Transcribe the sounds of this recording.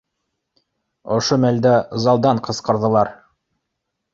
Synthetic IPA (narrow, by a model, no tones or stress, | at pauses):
ŏʃomæld̪æzɑlˠd̪ɑɴqɤ̆sqɤ̆ɾðɤ̆lˠɑɾ